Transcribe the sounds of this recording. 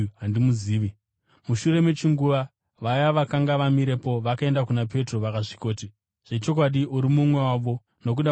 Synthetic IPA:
ɦandimuziːʋi | muʃure̞me̞t͡ʃiŋɡuʋa | ʋajaʋakaŋɡaʋamiɾe̞po̞ʋakae̞ndakunap̬e̞tro̞ʋakaʐi̥ko̞ːti | ʐ̥e̞t͡ʃo̞k̬waɗiʔuɾimumwe̞waʋo̞ | no̞k̬uɗa

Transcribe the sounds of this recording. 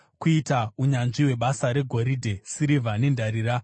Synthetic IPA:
kuitauɲanʐiwe̞ɓasaɾe̞ɡʱo̞ɾidʱe̞siɾivʱane̞ndʱaɾiɾa

